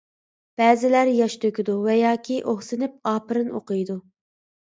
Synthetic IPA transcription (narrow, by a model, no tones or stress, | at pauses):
b̥ɛːzɪlæɾjɑʃt̪ʰøkʲid̪uvɛjɑːkʲʰiʔoχsɨnɪp̚ɑːpɨɾɨno̰qɨjd̪u